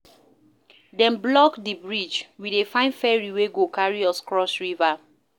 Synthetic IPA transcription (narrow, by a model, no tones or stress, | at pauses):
dɛ̃nblɔkdibɹid͡ʒwidefãɪ̃nfɛɹiweɡokaɹiɔskɹɔsɹiva